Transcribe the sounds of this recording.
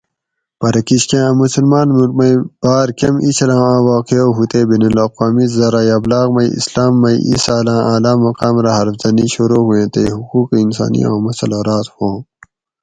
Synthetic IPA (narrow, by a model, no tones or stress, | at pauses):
pɐɾɐkiɕkẽmusulmaːnmuɾmɐib̥aːɾkɐmit͡ʃʰɐlãːãːwaːqeoːɦut̪eːbinɐlɐːqwaːmizɐɾaːjɐblaːɣmɐiḭslaːmːɐiʔḭsaːlãːʔaːlaːmɐqaːmɾaɦɐɾfzɐniɕuɾoːɦuẽːt̪eɦukuːqinsa̰ːnḭjã̰ːmɐsɐloɾaːt̪hõː